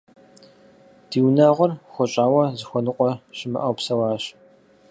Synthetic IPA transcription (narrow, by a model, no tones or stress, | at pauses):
d̥iːwnaːʁʷɔrxʷɔɕʼaːwɐzɨxʷɔnɨqʷʼɔʃɪmɨ̰ʔɐwpsɐwaːɕ